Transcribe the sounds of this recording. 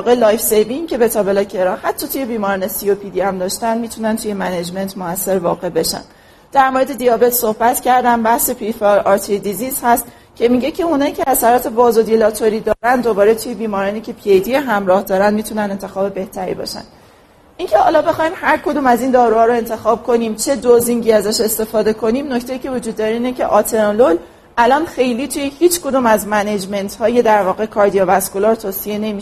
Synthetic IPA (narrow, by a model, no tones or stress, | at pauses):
vɒːɣelɒːjfsejbiŋcʰe̞bet̪ʰɒːbe̞lɒcʰe̞ɾɒhæt̪ʰːɒt̪ʰuje̞biːmɒːɾɒːne̞siopʰid̪iæmd̪ɒːʃt̪ænd̪miːt̪ʰunænt̪ʰuje̞mæned͡ʒme̞nt̪ʰmoæsːe̞ɾvɒ̰ːɣe̞be̞ʃæ̰nd̪̥ | d̪̥æɾmoɾed̪e̞d̪ijɒːbe̞t̪so̞hbæt̪cʰæɾd̪æmbæhse̞pʰifelɒːɾt̪ʰid̪izizhæst̪ | cʰe̞miːɟe̞cʰe̞unɒːiːcʰe̞æsæɾɒːt̪ʰe̞bɒːzod̪ilɒt̪ʰoɾiːd̪ɒːɾænd̪d̪obɒːɾe̞t̪ʰujebiːmɒːɾɒːniːcʰe̞pʰiejd̪ieɦæmɾɒːhd̪ɒːɾænd̪miːt̪ʰunænd̪e̞nt̪ʰe̞xɒːbe̞be̞ht̪ʰæɾḭbɒ̰ːʃæ̰nd̪ | iŋcʰe̞hɒ̰ːlɒːbe̞xɒːimhæɾkʰo̞d̪uːmæziːnd̪ɒːɾuːhɒːɾoe̞nt̪ʰe̞xɒːb̥̚kʰo̞niːmt͡ʃʰe̞d̪oziŋɟiːæzæʃe̞st̪e̞fɒːd̪e̞kʰo̞niːmnoct̪e̞jiːcʰe̞vod͡ʒud̪ːɒːɾeiːnecʰe̞̰ʔɒːt̪ʰeɾolol | ʔælɒːnxe̞jliːt̪ʰujehiːt͡ʃko̞d̪uːmæzmæned͡ʒme̞nt̪ʰhɒːje̞d̪æɾvɒːɣe̞kʰɒːɾd̪ijɒvæskolɒɾt̪ʰoːsije̞ne̞miːʃ